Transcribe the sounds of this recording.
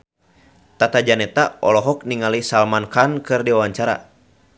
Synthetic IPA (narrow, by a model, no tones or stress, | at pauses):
t̪at̪ad͡ʒanɛt̪aɔlɔɦɔk̚niŋalisalmankankɨrdiwawaɲt͡ʃaɾa̰